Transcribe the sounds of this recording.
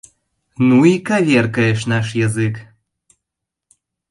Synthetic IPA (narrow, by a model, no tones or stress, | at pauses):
nuikavʲerkəeʃ̬nɑʃjɑzɨk